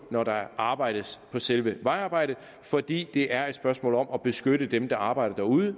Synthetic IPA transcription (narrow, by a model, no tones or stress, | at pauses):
nɒɾɑ̈ʔɑ̈ːb̥ɑ̈ɪ̰ɾ̥əspʰɒ̽selʋəʋɑ̈ɪɑ̈ːb̥ɑ̈ɪ̰d̥ə | fɒ̽d̥ḭːd̥e̝ʔæɐe̝d̥sb̥ɶɐsmɔ̰̽ːlɒ̽mɒb̥e̝sɡ̥øɾəd̥emd̥ɑ̈ɑ̈ːb̥ɑ̈ɪ̰ɾ̥ɐd̥æɐuðˠə